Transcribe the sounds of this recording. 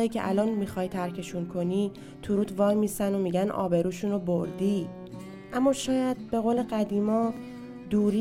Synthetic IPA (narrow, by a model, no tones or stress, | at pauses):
iːcʰe̞̰ʔæ̰lɒːnmixɒːjt̪ʰæɾcʰe̞ʃunkʰo̞niː | t̪ʰuɾuːt̪ʰvɒːjmisænomiːɟænɒ̰ːbe̞ɾuːʃunoboɾd̪iː | ʔæmːɒːʃɒːjæd̪̥̚be̞ɣole̞ɢæd̪iːmɒː | d̪uːɾi